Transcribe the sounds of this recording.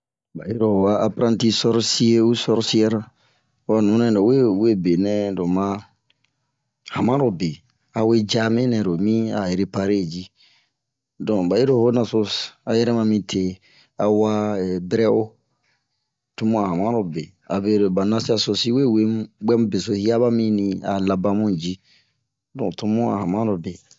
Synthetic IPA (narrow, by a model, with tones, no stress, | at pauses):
ba˨ji˦ɾo˨wa˦a˦pɾã˦nti˦sɔ˦ɾsi˦e˦u˦sɔ˦ɾsi˦ɛ˦ɾa˦ | wa˨nũ˨˦nɛ̃˨do˨we˦we˦be˨nɛ̃˦do˨mã˦ | hã˨mã˦ɾo˨be˨ | a˨we˦d͡ʒa˦mẽ˦nɛ̃˨ɾo˨mĩ˦a˨je˨ɾe˦pa˧ɾe˦˨d͡ʒi˦ | dɔ̃˨ba˨je˦ɾo˦˨ho˦nã˧so˧a˨jɛ˦ɾɛ˦mã˧mĩ˧tʰe˨ | a˨wa˦˨bɛ˦ɾɛ˦o˦ | tu˧˦mũ˦a˨ɦa˨mã˦ɾo˨be˨ | a̰˨be˨ɾo˨ba˨nã˧si˦a˧so˧si˦we˦˨we˦ɡ͡bɛ˦mũ˦be˨so˨˦hi˦a˦ba˦mĩ˦nĩ˧a̰˨la˨ba˦mũ˦d͡ʒi˦ | dɔ̰̃˨tu˧mũ˦a̰˨hã˨mã˦ɾo˨be˨